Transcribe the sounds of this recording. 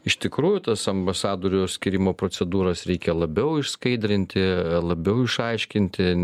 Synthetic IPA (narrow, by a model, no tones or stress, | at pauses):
ɪʃt̪ʲɪkɾuːjʊt̪ɐsɐmbɐsɑːd̪oːɾʲɪjoːsʲkʲɪɾʲɪmoːpɾoːsʲɛd̪uːɾɐsɾʲɛɪkʲɛlˠɐbʲɛʊɪʃskɐɪd̪ʲɾʲɪnʲt̪ʲɪlˠɐbʲɛʊɪʃɐɪʃʲkʲɪnʲt̪ʲɪ